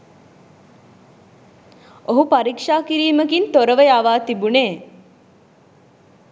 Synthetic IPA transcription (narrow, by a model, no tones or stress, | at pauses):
oɦupaɾikʂaːkiɾiːməkint̪oɾəʋəjaʋaːt̪ibuneː